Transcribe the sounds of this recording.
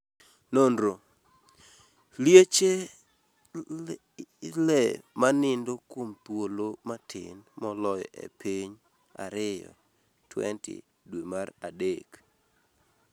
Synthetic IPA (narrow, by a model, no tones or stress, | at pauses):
nondɾo | ljet͡ʃe | lɛmanɪndokwompwolomatʰɪ̰nmɔlɔjɔʔɛ̰piɲ | a̰ɾɪjɔ̰ | tʰwɛ̰ntɪ̰ | dwemaradek